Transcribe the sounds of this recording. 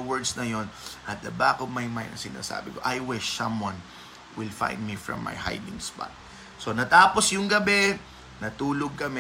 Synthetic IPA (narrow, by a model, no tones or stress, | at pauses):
wɛɹd̪snɐjo̞nʔɐt̪̚d̪ɐbakɔvmajmajnd̪ɐ̰ŋsɪna̰ːsa̰ːbɪkoʔajwɪʃːɐ̃mwɐ̃n | wɪlfã̰jnd̪̚mifɹɔ̰̃mːa̰jha̰jd̪ɪ̃ŋspa̰t̪̚ | so̞nɐt̪aːposjʊŋɡɐbɛ | nɐt̪uːloɡ̚kɐmɛ